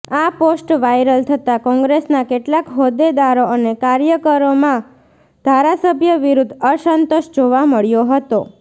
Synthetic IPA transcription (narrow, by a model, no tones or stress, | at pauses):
aposʈʋajɾəlt̪ʰət̪akɔ̃ŋɡɾesnakeʈlakɦod̪ed̪aɾoənekaɾjəkəɾomã | d̪ʱaɾasəbʱjəʋiɾud̪ʱəʃənt̪oʃd͡ʒoʋaməɭjoɦət̪o